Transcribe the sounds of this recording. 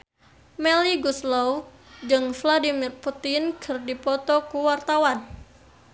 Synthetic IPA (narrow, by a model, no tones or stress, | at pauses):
mɛliɡuslɔw | d͡ʒɨŋfladimirput̪inkʰɨrdipɔt̪ɔkuwart̪awan